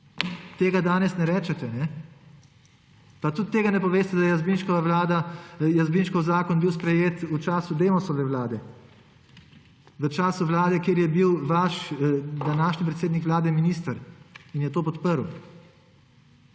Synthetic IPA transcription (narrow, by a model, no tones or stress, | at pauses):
t̪eːɡad̪aːnɛsnɛɾɛːt͡ʃɛt̪ɛnɛ | pat̪ut̪ːeːɡanɛpɔʋeːst̪ɛd̪ajɛjazbinʃkɔʋaʋlaːd̪ajazbinʃkɔwzaːkɔnbiwspɾɛjeːt̪ut͡ʃaːsud̪eːmɔsɔʋɛʋlaːd̪ɛ | ʋət͡ʃaːsuʋlaːd̪ɛkjeːɾjɛbiwʋaʃd̪anaːʃnip̬ɾɛt̪seːd̪nikʋlaːd̪ɛminiːst̪əɾinjɛt̪oːpɔt̪pəɾw